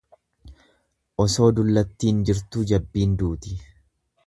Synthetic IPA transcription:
ʔɔso̞ːd̪ʊlːɐt̪ːiːnd͡ʒɪɾt̪uːd͡ʒɐbːiːnd̪uːt̪ɪ̥

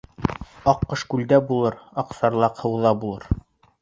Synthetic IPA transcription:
ɑqːɤʃkʉld̪æbulˠɤɾɑqsɑɾlˠɑqhɤ̆wðɑbulˠɤɾ

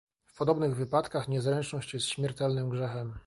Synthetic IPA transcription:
fpɔd̪ɔbnɘɣvɘpat̪kaxɲɛzɾɛnt͡ʂnɔɕt͡ɕjɛst̪ɕmʲjɛɾt̪ɛlnɘmɡʐɛxɛm

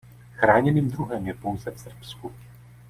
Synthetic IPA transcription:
xɾaːɲɛniːmd̪ɾuɦɛmjɛpowzɛfsr̩psku

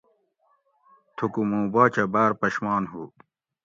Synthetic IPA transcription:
t̪ʰukumũːbaːt͡ɕʰɐbaːɾpɐɕmaːnɦu

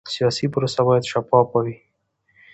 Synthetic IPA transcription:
sijɑsipʊɾosabɑjad̪ʃapɑpawi

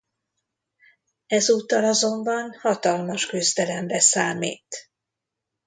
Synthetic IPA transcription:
ɛzuːt̪ːɒlɒzo̞mbɒnhɒt̪ɒlmɒʃkyzd̪ɛlɛmrɛsaːmḭːt̪

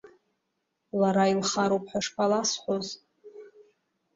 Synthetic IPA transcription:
laɾailχaɾowpʰʼħaʂpʰalasħʷoz

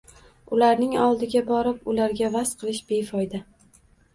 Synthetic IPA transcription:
ʊlaɾnɪŋɒlˠd̪ɪɡʲabɒɾɪp̚ʊlaɾɡʲavasqʰɨlˠɪʃbe̞jfɒjd̪a

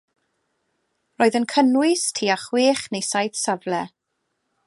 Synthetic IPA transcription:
roːɨðənkʰənwɨstʰiːaχweːχnejsajθsavlɛ

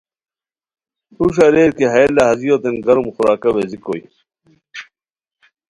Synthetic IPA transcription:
uɕ̬ɐɾeːɾkeɦɐjlɐhɐzijot̪enɡɐɾumxuɾaːkɐweziko̰j

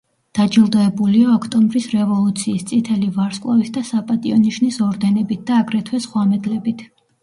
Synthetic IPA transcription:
d̪̥ad͡ʒilˠd̪ɔɛbuliaɔkʰt̪ʼɔmbɾisɾɛvɔlˠut̪sʰiːst̪sʼit̪ʰɛlivaɾskʼlˠavit̪ʰd̪asapʼat̪ʼiɔniʃnisɔɾd̪ɛnɛbit̪̚d̪̥aːɡɾɛt̪ʰwɛsχwamɛd̪lɛbit̪ʰ

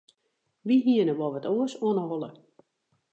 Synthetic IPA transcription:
ʋiɦiənəʋɔʋətʰoəsoənəɦɔlˠə̰

